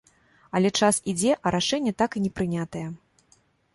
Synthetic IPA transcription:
ɐlʲɛt͡ʂasid͡zʲɛʔɐɾaʂɛnʲːɛt̪akinʲɛpɾɨnʲat̪ɐjɛ

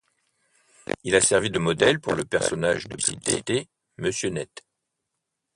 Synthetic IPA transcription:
ilasɛʁvid̪əmɔd̪ɛlpuʁləpɛʁsɔna̰ʒd̪əpɥḭd̪ḛt̪e | məsjønɛt̪

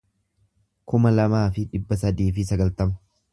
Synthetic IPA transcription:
kʊmɐlɐmaːfɪᶑɪbːɐsɐd̪iːfɪsɐɡɐlt̪ɐmɐ̥

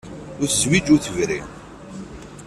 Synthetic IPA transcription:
ʊɾθswid͡ʒʊθəvɾḭ

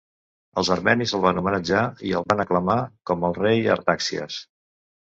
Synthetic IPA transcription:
əlˠzəɾmɛnizəlˠβanumənəd͡ʒaiəlˠβanəkləmakɔməlˠrejə̰ɾt̪aksiə̰s

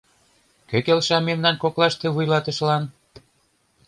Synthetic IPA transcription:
køkelʃɑmemnɑnkoklɑʃt̪ĕβujlɑt̪ə̆ʃlɑn

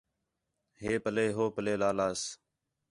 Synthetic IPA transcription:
ɦeːpəleːɦoːpəleːlaːlaːs

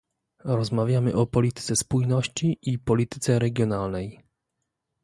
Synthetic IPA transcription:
ɾɔzmavʲjamɘʔɔpɔlʲit̪ɘ̥t̪sɛspujnɔɕt͡ɕiipɔlʲit̪ɘ̥t̪sɛɾɛɡʲjɔnalnɛj

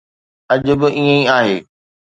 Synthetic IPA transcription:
ɐʄʊ̆bɪʔiːə̃iaːɦeː

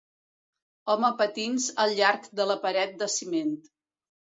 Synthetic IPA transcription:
ɔməpət̪inzəlˠʎaɾkd̪ələpəɾɛt̪̚d̪əsiment̪

